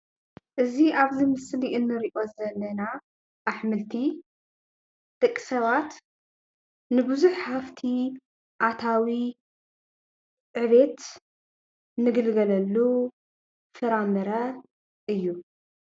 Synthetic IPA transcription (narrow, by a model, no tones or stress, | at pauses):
ʔɨziʔaβzimɨsliʔɨnːɨɾiʔo̞zɐlːɐna | ʔaħmɨlt̪ʰi | d̪̥ɨkʼːi̥sɐβat̪ | nɨbɨzuħħaft̪ʰi | ʔat̪ʰawi | ʕɨβet̪ | nɨɡɨlɡɐlɐlːu | fɨɾamɨɾɐ | ʔɨjːu